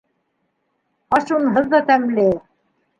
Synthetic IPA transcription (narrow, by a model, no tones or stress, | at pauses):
ɑʃunɦɤ̆ðːɑt̪æmlɘ